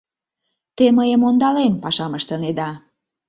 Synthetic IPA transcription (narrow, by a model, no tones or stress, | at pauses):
t̪eməjəmond̪ɑlenpɑʃɑməʃt̪əned̪ɑ